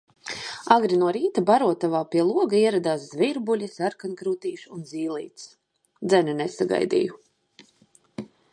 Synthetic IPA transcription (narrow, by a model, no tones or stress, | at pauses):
aɡɾinuɔɾiːt̪abaɾuɔt̪avaːpiɛlˠuɔɡaiɛɾad̪aːs̬zviɾbulʲisaɾkankɾuːt̪iːʃunziːlˠḭːt̪s | d̪zɛnɛnesaɡa̰jd̪ḭju